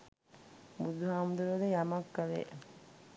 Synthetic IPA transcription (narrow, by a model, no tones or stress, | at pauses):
bud̪uɦaːmud̪uɾod̪ejamɐkːaʋḛː